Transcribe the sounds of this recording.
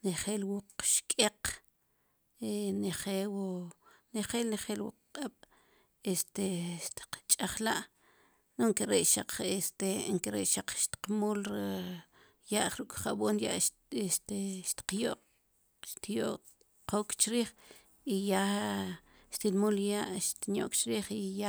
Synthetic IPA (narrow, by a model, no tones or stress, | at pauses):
neχeːlwuq͡χʃkʼeq | eneχewoneχeːlneχeːlwṵq͡χqʼaɓ̥ | est̪eʃt̪i̥qt͡ʃʼaχlaʔ | noŋkeɾeʔʃaq͡χest̪eŋkeɾeʔʃaq͡χʃt̪i̥qmuːlɾ | jaʔχɾukʼχaʔɓoːnja̰ʔ | est̪eʃt̪i̥qjoʔq | ʃt̪joʔ | qokt͡ʃɾiːχ | ija | ʃt̪ilmuljaʔʃt̪injo̰ʔkt͡ʃɾiːχija